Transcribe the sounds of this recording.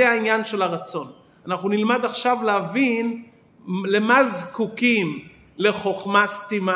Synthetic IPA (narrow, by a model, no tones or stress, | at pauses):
eainjanʃe̞laʁat͡so̞n | anaχnunilmad̪aχʃavleavin | le̞mazkukim | le̞χo̞χmastima